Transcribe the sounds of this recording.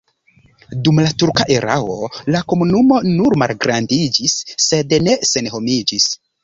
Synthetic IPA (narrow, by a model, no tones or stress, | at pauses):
dumlatuɾkaʔeɾa̰wo̞lako̞munumo̞nuɾmalɡɾandid͡ʒisːe̞dne̞se̞nho̞mid͡ʒis